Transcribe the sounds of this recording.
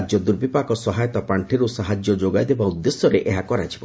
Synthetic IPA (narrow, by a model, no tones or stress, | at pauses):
d͡ʒjɔd̪uɾbipakɔsɔɦajɔt̪ɔpaɳʈʰiɾusaɦad͡ʒjɔd͡ʒoɡajd̪ebaud̪ːesjɔɾeʔeɦakɔɾat͡ʃʰi̥bɔ